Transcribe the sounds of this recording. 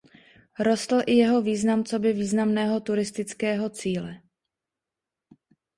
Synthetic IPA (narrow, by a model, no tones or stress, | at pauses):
ɾo̞st̪l̩ʔɪjɛɦo̞viːznamt͡so̞bɪviːznamnɛːɦo̞t̪uɾɪst̪ɪt͡skɛːɦo̞t͡siːlɛ